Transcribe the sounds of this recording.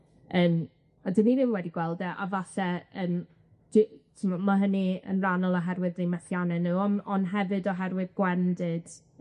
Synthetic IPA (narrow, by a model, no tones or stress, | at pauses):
əːn | adɪninɪmwɛdiɡwɛlˠdɛʔa̰vasɛən | d̥itʰɪnɔmaɦəniə̰nranəlˠɔɦɛrwɨðemɛθjanɛnuɔnɔnɦɛvɨdɔɦɛrwɨðɡwɛndɨd̥